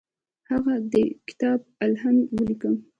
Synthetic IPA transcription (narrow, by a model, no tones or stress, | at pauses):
haɣad̪əkɪ̥t̪ɑb̚alhanwəlikəm